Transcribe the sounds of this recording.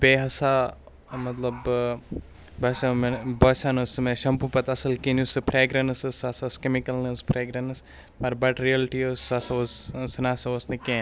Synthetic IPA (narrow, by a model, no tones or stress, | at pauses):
beːɦɐsa | mɐt̪lɐb | bɐsamebɐsanɐsmẽʃɐmpupɐt̪ɐsɐlkenusɨpʰɾeːɡɾɐnɐsɐsɐsɐskemikɐlnɐspʰɾeːɡɾɐnɐs | mɐɾbɐʈɾiɐlʈiosɐsɐʋossɨnaːsɐʋɐsnɨkẽ